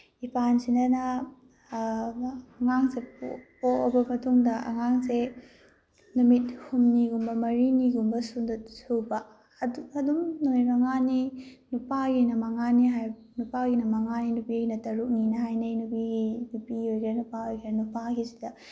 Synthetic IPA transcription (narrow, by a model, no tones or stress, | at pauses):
ipansinɐnɐ | ŋaŋseppoobɐmɐtuŋdɐɐ̰ŋaŋse | numit̚humniɡumbɐmɐɾiniɡumbɐsudɐsubɐ | ɐdumnoijmɐŋaninupaɡinɐmɐŋaniɦaj | nupaɡinɐmɐŋaninupiɡinɐtɐɾuk̚ninɐɦajnɐjnupiɡinupiojɡɐnupaojɡɾɐnupaɡisidɐ